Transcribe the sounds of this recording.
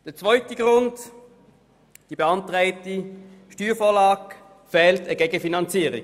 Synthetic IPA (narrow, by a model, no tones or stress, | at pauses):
d̥əɐt͡svɔʏtəɡʁʊnt | d̥iːb̥eɑntʁɛɪtiʃtyːfoːlɑːk | fɛːltəɡeːɡəfinɑnt͡siːʁɪ